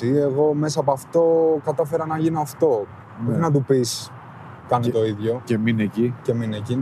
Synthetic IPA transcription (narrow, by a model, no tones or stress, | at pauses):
ie̞ɣo̞me̞sɐp̬oɐft̪o̞kɐt̪ɐfe̞ɾɐnɐʝinoɐft̪o̞ | boinɐt̪̬upis | kɐnet̪o̞iðʝo̞ceminecice̞minecin